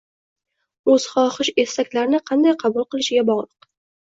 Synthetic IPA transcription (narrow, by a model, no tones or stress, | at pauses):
ɵz̥χɒχɨʃe̞st̪akʲlaɾɪnɪqʰɑnd̪ajqʰɑbulˠqɨlˠɪʃɪɡʲabɒʁlˠɨq